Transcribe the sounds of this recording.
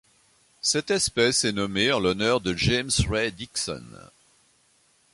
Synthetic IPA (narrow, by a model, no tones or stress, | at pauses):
sɛt̪ɛspɛsɛnɔmeɑ̃lɔnœʁd̪əʒɛmsʁɛd̪iksɔ̰n